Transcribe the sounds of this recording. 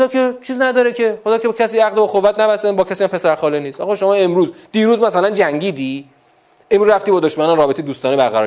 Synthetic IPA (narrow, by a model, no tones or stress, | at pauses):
xod̪ɒːkʰet͡ʃʰiːznæd̪ɒːɾekʰexod̪ɒːcʰecʰæsiːæɣd̪ebɒxovːæt̪næbæsebɒːcʰæsiæmpʰe̞sæɾxɒːleniːsɒ̰ːxːʃo̞mɒːe̞mɾuːzd̪̥iːɾuːzmæsælænd͡ʒæŋɟiːd̪iː | emɾuzɾæft̪iːbɒːd̪oʃmænɒnrɒːbet̪ʰejed̪uːst̪ɒːnebæɾɣæɾɒː